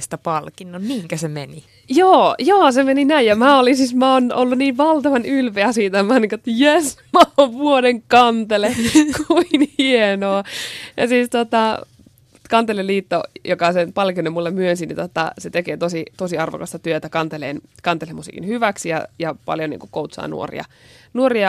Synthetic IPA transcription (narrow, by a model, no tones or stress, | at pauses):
st̪æpɑlkinːonmiːŋkæsemeni | joːjoːsemeninæijjɑmæːolinsismæonolːuniːʋʋɑlt̪ɑʋɑnylpeæsiːt̪æmɑnːiːŋket̪ːjesmɑoʋʋuoɾeŋkɑnt̪elekuinhienoːjɑ̰siːst̪ot̪ɑ | kɑnt̪elelliːt̪ːojokɑsenpɑlkinːemulːemyønsinḭt̪ot̪ːɑ̰set̪ekeːt̪osit̪osiɑrʋo̰kɑst̪ɑt̪yøt̪ækɑnt̪elḛːnkɑnt̪elemusḭːkḭnhyʋæksijɑ̰jɑpɑ̰ljonḭːŋkukout̪sɑ̰ːnṵo̰rḭɑ̰ | nuoriɑ